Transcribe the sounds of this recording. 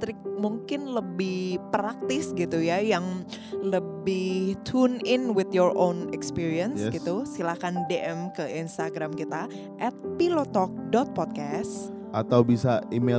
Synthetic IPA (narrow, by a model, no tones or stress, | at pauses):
t̪ɾɪk̚muŋkɪnləbɪhpɾak̚t̪ɪsɡit̪ujajaŋləbɪht̪ʰunɪnwɪt̪jɔɹʔonɛkspiɾiənsɡit̪usilakandeʔɛmkəinst̪aɡɾamkit̪a | ʔɛt̪̚pilot̪ɔk̚dɔt̪̚pɔt̪̚kas | ʔat̪awbisaime